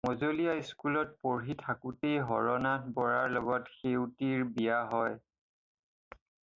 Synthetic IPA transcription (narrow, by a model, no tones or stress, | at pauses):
mɔzolijajskulɔt̚poɹɦitʰakutejɦɔɹɔnatbɔɹaɹlɔɡɔtxewtiɹbijaɦɔj